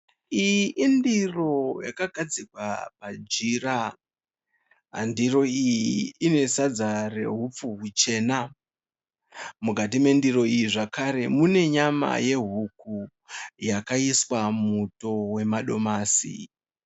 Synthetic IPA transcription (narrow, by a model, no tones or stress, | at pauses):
ijiʔindiro̞jakaɡʱad͡zikwa̰pad͡ʒira | ɦa̰ndiro̞ijiːne̞sad͡zare̞̰ɦup͡fuɦut͡ʃe̞ːna | muɡʱatime̞ndiɾo̞ijiʐakaɾe̞mune̞ɲama̰je̞ɦuku | jakaiswamuto̞we̞maɗo̞maːsḭ